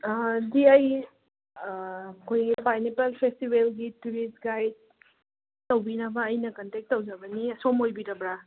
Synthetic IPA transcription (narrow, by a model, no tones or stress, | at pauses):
diaj | kʰojipajnepalpʰestibelɡituɾisɡajd̚ | tɐwbinɐbɐːjnɐkɐntek̚tːɐwzabɐniɐsomojbiɾɐbɾa